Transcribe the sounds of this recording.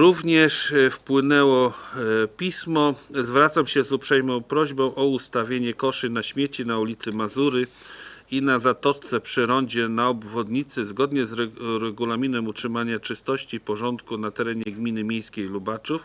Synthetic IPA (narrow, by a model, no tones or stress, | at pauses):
ɾuvɲɛʂfpwɘnɛwɔ | pʲismɔzvɾat̪samɕɛzupʂɛjmɔ̃w̃pɾɔʑbɔ̃w̃ʔɔust̪avʲjeɲɛkɔʂɘnaɕmʲjet͡ɕinaulʲit̪sɘmazuɾɘ | inazat̪ɔst̪sɛpʂɘɾɔɲd͡ʑɛnaɔbvɔd̪ɲit̪sɘzɡɔd̪ɲɛzɾɛɾɛɡulamʲinɛmutʂɘmaɲat͡ʂɘst̪ɔɕt͡ɕipɔʐɔnt̪kunat̪ɛɾɛɲɛɡmʲinɘmʲjejskʲejlubat͡ʂuf